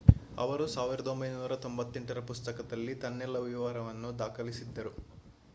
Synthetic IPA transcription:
ɐ̰ʋɐɾusaːʋiɾɐd̪o̞mbɐjnuːɾɐt̪o̞mbɐt̪ːeɳʈɐɾɐpust̪ɐkɐd̪ɐlːit̪ɐnːɛlːɐʋiʋaːɾɐʋɐnːud̪aːkɐlisid̪ːɐɾu

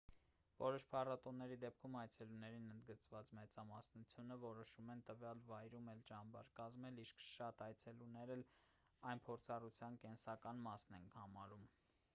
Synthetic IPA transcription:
vɔɾɔʃpʰɑrɑt̪ɔnːɛɾid̪ɛp̚kʰumɑjt͡sʰɛlunɛɾinənd̪ɡət͡svɑt͡smɛt͡sɑmɑsnut͡sʰjunəvɔɾɔʃumɛnt̪əvjɑlvɑjɾumɛlt͡ʃɑmbɑ̰ɾkɑzmɛliʃkʰʃɑt̪ɑjt͡sʰɛlunɛɾɛl | ɑjnpʰɔɾt͡sʰɑrut͡sʰjɑnkɛnsɑkɑnmɑsnɛnhɑmɑɾum

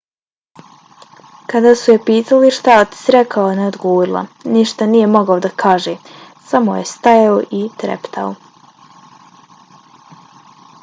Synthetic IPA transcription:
kad̪aːsujepiːt̪aliʃt̪at̪i̥sɾekaoineod̪ɡoɾilˠa̰niʃt̪anijemo̞ɡaod̪akʰaːʒeː | samo̰je̞st̪ajaoʔit̪ɾḛpt̪ʰa̰o̰

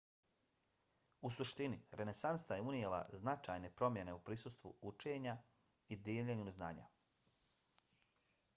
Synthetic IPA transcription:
usuʃt̪iniɾʔe̞ne̞sanst̪ajeunjela̰znat͡ʃajne̞pɾo̞mje̞ne̞upɾiːsust̪ʋṵut͡ʃe̞ɲa | id̪ieʎeɲunuzna̰ːɲa̰

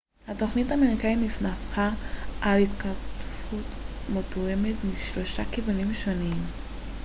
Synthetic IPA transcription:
hato̞χnitameikainismaχaʔalit̪kaʁtfutmotujemetmiʃlo̞ʃakivunimʃo̞nim

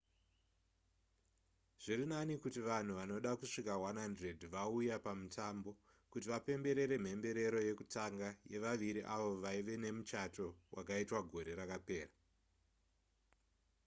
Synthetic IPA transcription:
ʐ̥irinanikutiʋan̤uʋano̞ɗakuʂikawanandre̞dʱʋaujapamutʰaːmbo̞ | kutiʋape̞mbe̞ɾe̞ɾe̞m̤e̞mbe̞ɾe̞ɾo̞je̞kutaŋɡaje̞ʋaʋiɾiʔaʋo̞ʋaiʋe̞ne̞mut͡ʃato̞wʔakaitwaɡʱo̞ɾe̞ɾakape̞ːra

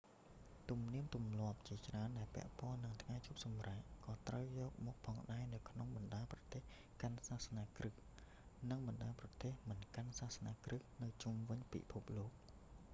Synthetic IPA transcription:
t̪umniəmt̪umlŏəp̚t͡ɕiət͡ɕraənɗaɛlpɛ̆əʔpŏənːɨŋt̪ʰŋajt͡ɕʰup̚sɑmraːʔkɑːt̪rəwjɔːk̚mɔːk̚pʰɑːŋɗaɛnɨwkʰnoŋɓɑnɗaːlprɑt̪eːh | kansaːhsnaːkrɨh | nɨŋɓɑnɗaːprɑt̪eːhmɨnkansaːhsnaːkrɨhnɨwt͡ɕumʋɨɲpḭpʰup̚loːk̚

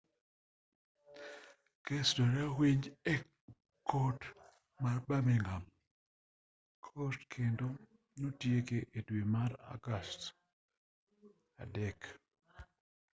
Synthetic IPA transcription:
kesdoɾawiɲd͡ʒɛ | kʰot | marbameŋam | kʰostkʰendo | notjekeʔedwemaɾa̰ɡast | a̰dɛk

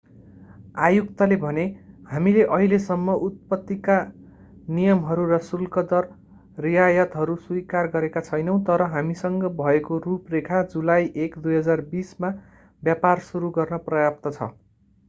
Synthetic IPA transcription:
ajukt̪ʌlebʱʌnehamileʔʌɦilesʌmːʌʔut̪̚pʌt̪ːika | nijʌmɦʌɾurʌsulkʌd̪ʌr | rijajʌt̪ɦʌɾuswuikarɡʌɾekat͡sʰʌjnʌw̃t̪ʌɾʌɦamisʌŋɡʌbʱʌekoruprekʰad͡zulajʔekd̪ujɦʌd͡zarbisma | bjaparsuɾuɡʌrnʌprʌjap̚t̪ʌt͡sʰʌ̰

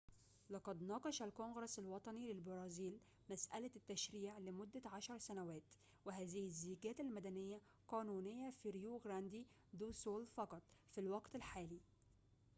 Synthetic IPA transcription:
lɑqɑd̪nɑːqɑʃælkonɡɾˤɑsalwɑt̪ˤɑnilɪlbɑɾˤɑːziːl | mæsʔæ̰læt̪ːæʃɾiːʕlɪmʊd̪ːæʕaʃɑɾˤsænæwæːt̪ | wɪɦæːzɪhɪzːiːɡæːt̪ɪlmæd̪ænɪjːæ | qɑːnuːnɪjːafiɾjuːɡɾænd̪i | d̪uːsoːlfɑqɑt̪ˤfilwɑɡt̪ɪlħaːliː

